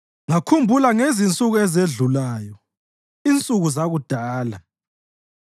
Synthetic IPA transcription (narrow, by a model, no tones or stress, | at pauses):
ŋakʰumbʱulaŋezint͡sʼuɣuɛzeɮulaːjɔ | int͡sʼuɣuzaɣud̥ʱaːla